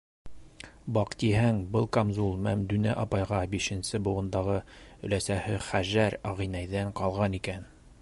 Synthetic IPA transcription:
bɑqt̪iɦæŋbɤlˠkamzulˠmæmd̪ɵ̆næʔɑpɑjʁɑbiʃɘ̆nsɘbŭʁɤ̆nd̪ɑʁɤɵ̆læsæhɘχæʒæɾɑʁinæjðæɴqɑlˠʁɑnikæn

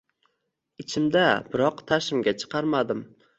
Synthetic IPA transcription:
ɪt͡ʃʰɪmd̪abɪɾɒqt̪ʰaʃɪmɡʲat͡ʃʰɨ̥qʰɑɾmad̪ɪm

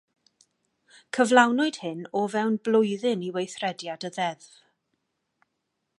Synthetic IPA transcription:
kʰəvlˠawnʊɨd̥hɪnɔvɛwnblˠʊjðɪniwejθrɛdjadəðɛðv

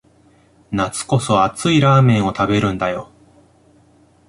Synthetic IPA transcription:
nat͡sɨ̥ko̞so̞at͡sɨiɾaːmẽ̞ɰ̃o̞t̪abe̞ɾɯ̟̃nd̪ajo̞

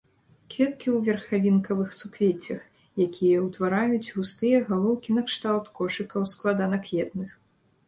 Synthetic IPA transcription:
kvʲɛt̪kʲiwvʲɛrxavʲinkɐvɨxsukvʲet͡sʲɐx | jakʲʰijɐwt̪vaɾajut͡sʲɣust̪ɨjɛɣalˠɔwkʲinɐkʂt̪alˠt̪kɔʂɨkɐwsklˠad̪anɐkvʲɛt̪nɨx

